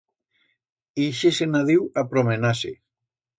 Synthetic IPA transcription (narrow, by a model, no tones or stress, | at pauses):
iʃesenaðiwapɾomenasḛ